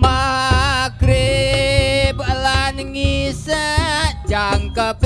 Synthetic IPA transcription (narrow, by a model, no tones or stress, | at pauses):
ma | ɡɾɪ | planŋisat͡ʃaŋkap